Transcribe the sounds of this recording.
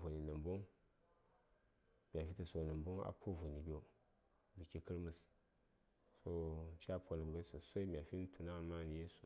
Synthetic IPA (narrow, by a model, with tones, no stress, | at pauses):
vo˨ni˨nɨ˨mbo˦ŋ | b̥ʲa˨fi˦ti˨so˨nɨ˨mbo˦ŋa̰˨pʰo˦vo˨ni˨bi˦o˨ | bi˨ki˨kɨ˦ɾmɨ˨s | so˦˨t͡ʃa˦pʰo˨nɨ˨˦ba˦so˨sʷo˦i˦mʲ˨a˨fi˦n˦tʰu˨na˦˨ma˦n˨je˦su̥˨